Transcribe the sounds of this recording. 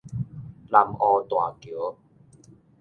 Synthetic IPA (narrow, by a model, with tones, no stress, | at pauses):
la˧mʔɔ˧t̪wa˨˩ki˨˩˦